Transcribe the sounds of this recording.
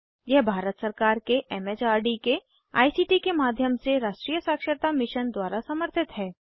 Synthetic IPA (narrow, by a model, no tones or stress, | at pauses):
jɛɦbʱaːɾət̪sɐɾkaːɾkeʔɛmed͡ʒaːɾɖike | a̰ːisiːʈikemaːd̪ʱjəmseɾaːʃʈɾijəsaːkʃəɾt̪amɪʃənd̪waːɾasɐməɾt̪ʰɪt̪ɦɛː